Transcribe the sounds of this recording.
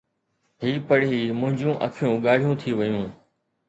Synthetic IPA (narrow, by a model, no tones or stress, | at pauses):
ɦiːpəɽ̤iːmʊ̃ɦɪ̃ɲd͡ʑũːʔə̰kʰjũːɠaːɽ̤ijũːt̪ʰiːʋəjũː